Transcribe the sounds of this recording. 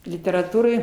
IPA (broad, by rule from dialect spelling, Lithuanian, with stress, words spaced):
lʲɪtʲɛrɐˈtuːrɐɪ